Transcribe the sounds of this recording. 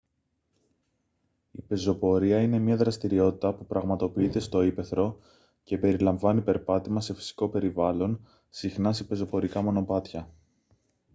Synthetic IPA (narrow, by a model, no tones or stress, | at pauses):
ipe̞zo̞po̞ɾiɐine̞mɲɐðɾɐst̪iɾio̞t̪i̥t̪ɐpupɾɐɣmɐt̪o̞piit̪e̞st̪o̞ipe̞θɾo̞ | ce̞pe̞ɾilɐɱvɐnipe̞ɾpɐt̪imɐse̞fi̥si̥ko̞pe̞ɾivɐlo̞n | sixnɐsepe̞zo̞po̞ɾikɐmo̞no̞pɐt̪çɐ